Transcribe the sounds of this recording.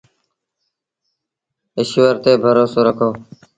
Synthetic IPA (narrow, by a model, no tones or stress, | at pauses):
ɪʃʋəɾt̪eːbʱəɾoːsoːɾəkʰoː